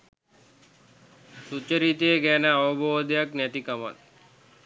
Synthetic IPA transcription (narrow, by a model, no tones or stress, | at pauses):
sut͡ʃːəɾit̪ejəɡænəaʋəboːd̪əjaknæt̪ikama̰t